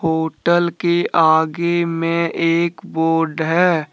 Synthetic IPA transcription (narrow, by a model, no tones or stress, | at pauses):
ɦoːʈəlkeʔaːɡemẽeːkboːɾɖɦɛː